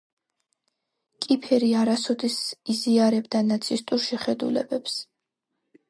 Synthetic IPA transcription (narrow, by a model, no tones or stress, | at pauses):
kʼipʰɛɾiaɾasɔd̪isiziaɾɛbd̪anat̪sʰist̪ʼuɾʃɛχɛd̪ṵlɛ̰bɛps